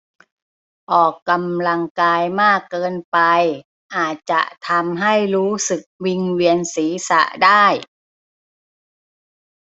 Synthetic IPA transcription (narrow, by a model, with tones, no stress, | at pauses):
ʔɔː˨˩kːa˧mla˧ŋkaː˧jmaː˥˩kːɤː˧npa˧j | ʔaː˨˩t̪̚t͡ɕa̰˨˩ʔt̪ʰa˧mɦa˥˩jɾuː˦˥sɯ˨˩k̚wi˧ŋwi˧ənsiː˩˦sa̰˧˦ʔdaː˥˩j